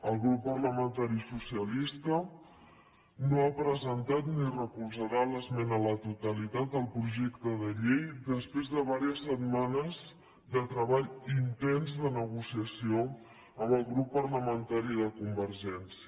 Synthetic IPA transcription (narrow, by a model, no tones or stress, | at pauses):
əlˠɣɾupːərləmənt̪aɾisusiəlist̪ə | noapɾəzənt̪at̪nirəkulˠzəɾaləzmɛnələt̪ut̪əlit̪at̪̚d̪əlˠpɾuʒɛkt̪əðəʎejd̪əspɾezðəβ̞aɾiəsːət̪manəz | ðət̪ɾəβaʎint̪ɛnzðənəɣusiəsio | əmbəlˠɣɾupːəɾləmənt̪aɾiðəkumbəɾʒɛnsiə